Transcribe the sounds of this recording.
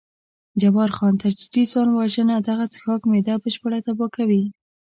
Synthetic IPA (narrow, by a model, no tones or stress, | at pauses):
d͡ʒabɑɾxɑnt̪ad͡ʒd̪izɑnwaʒənad̪aɣat͡sə̥xɑkmed̪abəʃpəɽat̪abɑkawi